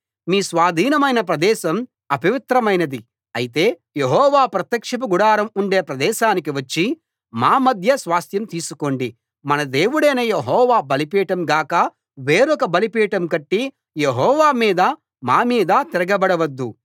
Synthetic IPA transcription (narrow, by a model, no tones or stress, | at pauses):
miːsʋaːd̪ʱiːnɐmɐjnɐpɾɐd̪ɛːʃɐm | ɐpiʋit̪ɾɐmɐjnɐd̪i | ɐjit̪e̞ː | jeɦɔːʋaːpɾɐt̪jɐkʂɐp̬uɡuɽaːɾɐmuɳɖe̞ːpɾɐd̪ɛːʃaːnikiʋɐt͡ʃːi | maːmɐd̪ʱjɐsʋaːst̪jɐmt̪iːsukoɳɖi | mɐnɐd̪e̞ːwuɽɐːneːjeɦɔːʋaːbɐlipiːʈɐmɡaːkɐ | ʋe̞ːɾɔkɐbɐlipiːʈɐmkɐʈːi | je̞ɦɔːʋaːmiːd̪ɐ | maːmiːd̪ɐt̪iɾɐɡɐbɐɽɐʋɐd̪ːu